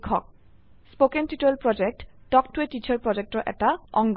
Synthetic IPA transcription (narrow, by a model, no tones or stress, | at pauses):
kʰːɔk̚ | spokentiʈelpɹɔd͡ʒek̚tɖɔk̚tuetit͡ɕʰaɹpɹɔd͡ʑek̚tɔʔɛ̰taɔŋɡ